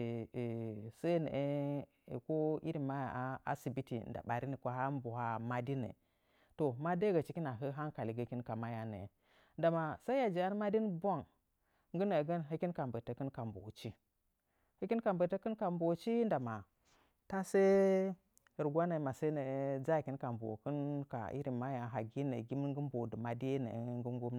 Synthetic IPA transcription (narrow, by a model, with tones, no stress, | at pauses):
sa˦nə̰˨ʔe˦˨ | ko˦ḭ˦ɾi˨ma˦ja̰˨a˦a̰˦si˨bi˦tḭ˨nda̰˨ɓa˨ɾi˦ni˨kʷa˦ɦa˦m˦bu˨ha˦ma˨di˦nḛ˨ | to˨ma˦de˦ɡa˨t͡ʃi˦ki˦na˨ɦə˦ɦa˦nka˨li˨ɡə˨ki˦nka˨ma˦ja˨nḛ˨ | nda˨ma˨sa˦i˦ja˨d͡ʒi˨a˦n˦ma˦di˦nbʷa˦ŋ | ŋɡə˦nə˨ɡə˦nɦə˦ki˦nka˨mbə˨tə˨kə˦nka˨mbo̰˨t͡ʃi˦ | hə˦kʲi˦nka˨mbə˨tə˦kə˦nka˨mbo˨t͡ʃi˦nda˨ma˨ | ta˦se˦˨ | ɾɡʷa˦na˨ma˨sa˦nə˨˦d͡za˦˨ki˦n˦ka˨mbo̰˨kə˦nka̰˨ḭ˦ɾi˨ma˦ja˨ɦa˨ɡi˦nḛ˨ɡi˦mə˦ɡə˦m˦bo˨də˨ma˨di˦e˦nə̰˨˦ŋɡə˦ɡu˦m˨